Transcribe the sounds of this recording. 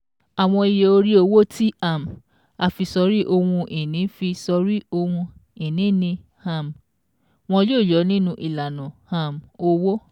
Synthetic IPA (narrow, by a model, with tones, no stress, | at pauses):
a˨w̃ɔ̃˧i˧je˨o˧ɾi˦o˧wo˦ti˦a˦˨m˨ | a˧fi˧sɔ˧˦ɾi˦ʔo˧hũ˧ʔi˨nĩ˨˦fi˧sɔ˧ɾi˦o˧hũ˧i˨nĩ˨˦nĩ˧ | ha˦˨m˨ | w̃ɔ̃˧joː˦˨d͡ʒɔ˨˦nĩ˦nũ˧ʔi˨la˨nã˨ha˦˨m˨o˧wo˦